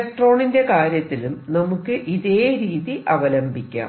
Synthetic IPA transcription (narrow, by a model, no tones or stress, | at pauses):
k̚ʈro̞ːɳinde̞kaːɾjɐt̪ːilumnɐmukːɨʔiðe̞ːɾiːðiʔɐʋɐlɐmbʱikʲːa̰ː